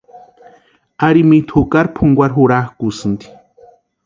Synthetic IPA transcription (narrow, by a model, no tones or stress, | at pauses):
aɾimit̪ʰukaɾpʰuŋɡʷaɾɦuɽahkusɨnd̪i̥